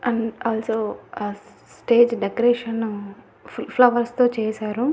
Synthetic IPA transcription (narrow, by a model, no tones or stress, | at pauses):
ɐɳaːlsoː | sʈeːd͡ʒɖekoɾeːʂɐn | pʰlɐʋɐɾst̪oːt͡ʃeːsaːɾu